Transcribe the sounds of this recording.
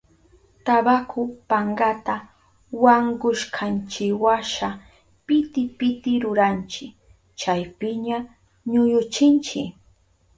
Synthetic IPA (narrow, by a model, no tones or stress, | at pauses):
t̪abakʰʊpaɴɢat̪a | waŋɡʊʃkʰant͡ʃɪwaʃa | pɪt̪ɪpɪt̪ɪɾʊɾant͡ʃɪ | t͡ʃajpɪɲa | ɲʊjʊt͡ʃɪnt͡ʃɪ